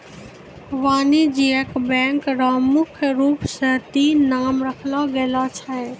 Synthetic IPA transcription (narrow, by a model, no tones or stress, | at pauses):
ʋaːnid͡ʒiəkbɛ̃ːŋkɾamʊkʰjɾuːpsət̪inaːmɾəkʰlaɡɛlat͡ʃʰa